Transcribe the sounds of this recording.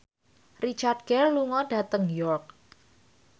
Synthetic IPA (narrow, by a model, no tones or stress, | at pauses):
rit͡ʃard̚ɡ̥ɛrluŋɔɖ̥a̤t̪əŋjɔrk̚